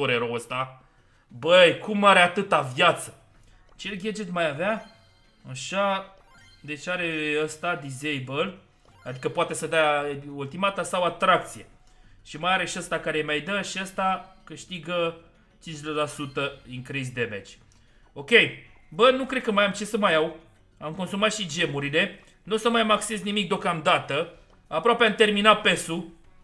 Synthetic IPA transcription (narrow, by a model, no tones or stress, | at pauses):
oɾeɾoəst̪a | bəjkumaɾeat̪ɨt̪avjat̪sə̥ | t͡ʃe̞lɡʲe̞d͡ʒet̪majavea | aʃa | d̪e̞t͡ʃʲaɾe̞əst̪ad̪izejbəl | ad̪ikəpoat̪e̞səd̪ault̪imat̪asawat̪ɾak̚t̪sije | ʃimajaɾe̞ʃiəst̪akaɾemajd̪əʃiəst̪akɨʃt̪iɡə | t͡ʃinʃlelasut̪əiŋkɾizʲd̪eme̞̰t͡ʃʲ | o̞kʲe̞j | bənukɾe̞d̪̚kəmajamt͡ʃe̞səmajaw | amko̞nsumat̪ʃid͡ʒe̞muɾile̞ | nusəmajmakse̞znimik̚d̪okamd̪at̪ə | apɾoapeamt̪e̞rminape̞su